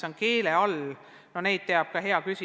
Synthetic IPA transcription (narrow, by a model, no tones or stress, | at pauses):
ɑnke̞ːleɑl | none̞jd̪̥̚t̪eɑb̥̚kɑɦe̞ɑkysi